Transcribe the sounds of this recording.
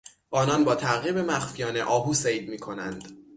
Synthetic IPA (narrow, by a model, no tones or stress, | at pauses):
ʔɒːnɒnbɒːt̪ʰæɣiːbe̞mæxfijɒːne̞̰ʔɒːbuːsejd̪miːkʰo̞nænd̪̥